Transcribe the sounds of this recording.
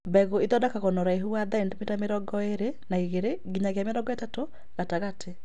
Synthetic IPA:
bɛɣoiðɔdakaɣɔnɔɾaeɦuaðandmitameɾɔɡɔeɾenaiɣeɾeɡiɲaɣeameɾɔɡɔɛtato | ɣ̥ataɣatʰe

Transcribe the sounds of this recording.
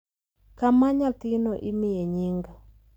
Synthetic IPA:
kamaɲat̪ɪnɔʔimɪjeɲiŋɡa

